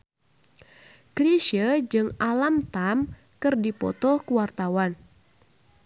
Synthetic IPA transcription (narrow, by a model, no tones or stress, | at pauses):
kɾiʃəd͡ʒɨŋalamt̪am | kɨrdipɔ̰t̪ɔhkuwart̪awan